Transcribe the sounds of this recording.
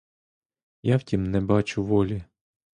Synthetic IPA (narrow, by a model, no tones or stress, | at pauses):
jawtʲimnɛbɑt͡ʃʊʋɔlʲi